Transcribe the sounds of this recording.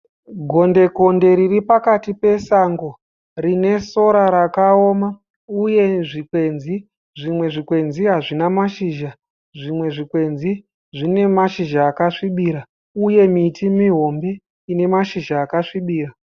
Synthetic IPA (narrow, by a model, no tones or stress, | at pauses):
ɡʱo̞nde̞ko̞nde̞ɾiripakatipe̞saŋɡo̞ | rine̞so̞ɾaɾakao̞ma | uje̞ʐikwe̞nzi | ʐimwe̞ʐikwe̞nziɦaʐinamaʃiːʒa | ʐimwe̞ʐikwe̞nzi | ʐine̞maʃiʒaːkaʂiɓiɾa | uje̞miːtʰimiɦo̞mbe̞ | ine̞maʃiʒaːkaʂiɓiːra